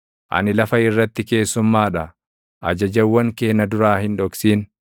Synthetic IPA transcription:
ʔɐ̰nɪlɐfɐɪrːɐt̪ːɪke̞ːsːʊmːaːᶑɐ | ʔɐ̰d͡ʒɐd͡ʒɐwːɐŋke̞ːnːɐd̪ʊɾaːhɪnᶑɔksiːn

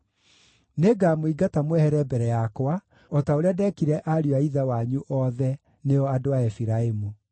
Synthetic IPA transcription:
neɡaːmoiɡatamwɛhɛɾɛbɛɾɛjakwa | ɔtaoɾeadɛkiɾɛʔaɾiaiðawaɲuʔɔðɛ | neɔadoaɛfiɾaemu

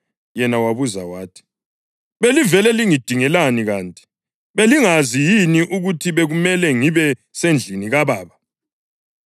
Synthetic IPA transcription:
jɛnawaβuza̰waːtʰi̥ | βelivɛlɛliŋid̥ʱiŋɛlaniɣaːntʼi̥ | βeliŋazijiniʔuɣutʰiβeɣumɛlɛŋiβɛsend͡ɮʱiniɣaβaːβa

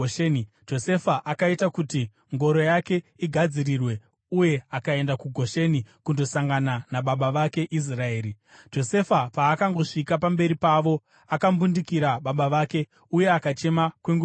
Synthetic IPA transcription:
d͡ʒo̞se̞faʔakaitakuti | ŋɡo̞ɾo̞jake̞iɡʱad͡ziɾirwe̞ | uje̞akae̞ndakuɡʱo̞ʃe̞nikundo̞saŋɡananaɓaɓaʋake̞ʔis̬raeːɾi | d͡ʒo̞se̞fapaːkaŋɡo̞ʂikapambe̞ɾipaʋo̞ | akambundikiɾaɓaɓaʋake̞ | uje̞akat͡ʃe̞makweŋɡu

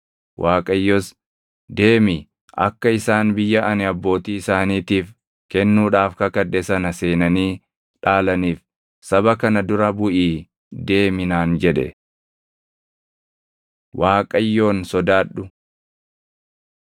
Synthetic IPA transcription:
wʔaːkʼɐjːos | d̪e̞ːmɪ | ʔɐ̰kːɐɪsaːnbɪjːɐʔɐnɪɐbːo̞ːt̪iːɪsaːniːt̪iːf | kɛnːuːᶑaːfkɐkɐᶑːɛsɐnɐse̞ːnɐniː | ᶑaːlɐniːf | sɐbɐkɐnɐd̪ʊɾɐbʊʔiː | d̪e̞ːmɪnaːnd͡ʒɛᶑɛ̰ | waːkʼɐjːo̞ːnsɔd̪aːɗːʊ

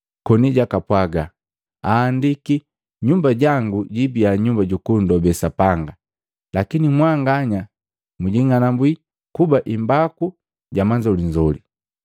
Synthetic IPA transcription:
kɔniɟakapwaɡa | aːndiki | ɲumbaɟaŋɡuɟibiaɲumbaɟukundɔbɛsapaŋɡa | lakinimwaŋɡaɲa | muɟiŋanambwi | kubaʔimbaku | ɟamaɲd͡ʒɔliɲd͡ʒɔli

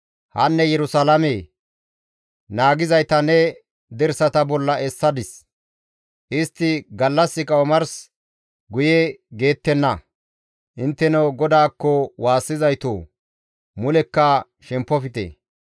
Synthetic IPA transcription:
hɐnːɛjɛɾʊsalɐmeː | naːɡɪzɐjt̪ɐnɛ | d̪ɛɾsɐt̪ɐbɔlːɐʔɛsːɐd̪ɪs | ʔɪst̪ːɪɡɐlːɐsːɪkʼɐwmɐɾs | ɡʊjeɡe̞ːt̪ːɛnːɐ | ʔɪnt̪ːɛnɐwɡɔd̪aːkːɔwaːsːɪzɐjt̪o̰ː | mʊlɛkːɐ | ʃɛmpːɔfɪt̪ḛː

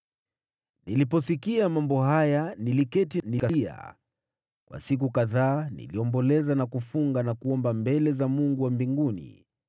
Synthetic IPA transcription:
nilipɔsikiamambɔɦajanilikɛtinikaa̰ | kwʔa̰sik̬ukaðaːnḭliɔmbɔlɛzanakufuŋɡanakuɔmbambɛlɛzamuŋɡuwambiŋɡunḭ

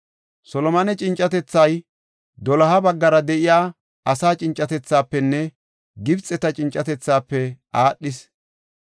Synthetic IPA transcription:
sɔlɔmɐnɛt͡ʃʼɪnt͡ʃʼːɐt̪ɛt͡sːɐj | d̪ɔlɐɦɐbɐɡːɐɾɐd̪ɛʔɪjaː | ʔɐsaːt͡ʃʼɪnt͡ʃʼːɐt̪ɛt͡sːaːpːɛnːɛ | ɡɪbt͡sʼːɛt̪ɐt͡ʃʼɪnt͡ʃʼːɐt̪ɛt͡sːaːpːɛʔaːɗːɪs

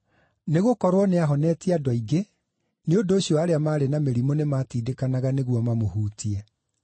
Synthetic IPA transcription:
neɣokɔɾwɔneaɦɔnɛːtiadɔiɡe | neondoːɕiɔaɾeamaːɾenameɾimonemaːtiːdekanaɣaneɣwɔmamohuːtiɛ

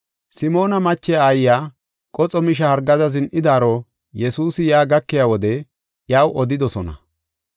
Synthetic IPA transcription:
sɪmo̞ːnɐmɐt͡ʃːɛjaaːjjaː | kʼɔt͡sʼɔmɪʃ̬ɐhɐɾɡɐd̪ɐzɪnʔɪd̪aːɾɔ | jɛsuːsɪjaːɡɐkːɪjaːwɔd̪ɛ | jaːwʔɔd̪ɪd̪ɔsɔnɐ̰

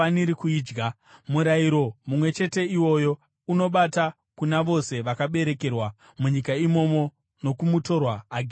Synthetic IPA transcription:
aniɾikuiːd͡ʒɡa | muɾaiɾo̞mumwe̞t͡ʃe̞te̞iwo̞jo | uno̞ɓata | kunaʋo̞se̞ʋakaɓe̞ɾe̞ke̞rwa | muɲikaimo̞mo̞ | no̞kumuto̞rwaːɡʱ

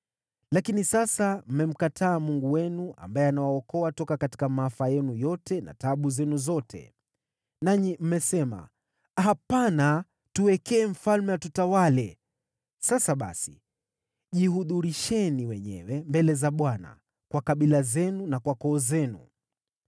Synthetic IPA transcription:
lakinisasam̩mɛm̩katʰaːmuŋɡuwɛnua̰mbajɛanawaɔkɔatɔkakati̥kamaafajɛnujɔtɛna̰taɓuzɛnuzɔtʰɛ̰ | naɲim̩mɛsɛma̰ | hapana | tuwɛkɛːɱ̩falmɛwatutawalɛ | sasaɓa̰si | ʄihuðuɾiʃɛniwɛɲɛ̰wɛmbɛlɛzaɓwana̰ | kwakaɓilazɛnunakwakɔːzɛnṵ

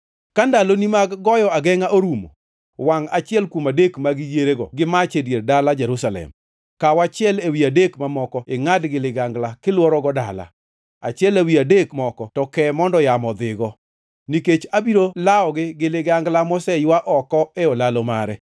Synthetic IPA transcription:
kandalonimaɡɡɔjɔaɡɛŋaʔoɾumo̰ | waŋat͡ʃɪɛlkumadekmaɡɪjeɾeɡɔ̰ɡɪmat͡ʃedjerdalad͡ʒɛɾusalɛ̰m | kawat͡ʃɪɛlewiadekmamɔkɔɪŋadɡɪlɪɡaŋɡlakɪlwɔɾɔɡɔda̰la̰ | at͡ʃɪɛlewiadekmɔkɔtɔkɛmɔndɔjamɔd̪ɪɡɔ | niket͡ʃabiɾolaɔɡɪɡɪlɪɡaŋɡlamɔsɛjwaʔɔkɔɛɔlalɔma̰ɾɛ

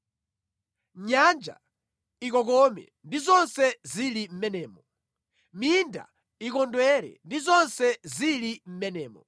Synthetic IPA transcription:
ɲand͡ʒa̰ | ikɔk̬ɔmɛ̰ | ndizɔnsɛzilim̩mɛnɛːmɔ | minda̰ | ik̬ɔndwɛɾɛ̰ndizɔnsɛzilim̩mɛnɛːmɔ

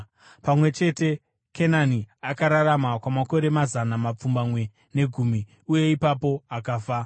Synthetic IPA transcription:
pamwe̞t͡ʃe̞te̞ | kʰenaniakaɾaɾamakwamako̞ɾe̞mazanamap͡fumbamwe̞ | ne̞ɡʱumi | uje̞ipapo̞akaːfa

